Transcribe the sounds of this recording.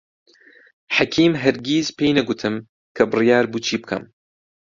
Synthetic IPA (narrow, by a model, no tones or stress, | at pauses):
ħakʰiːmɦɐɾɡiːzpʰejnɐɡʊt̪ʰɨm | kʰɐbɨrijaːɾbuːt͡ʃʰiːbɨkʰɐ̰m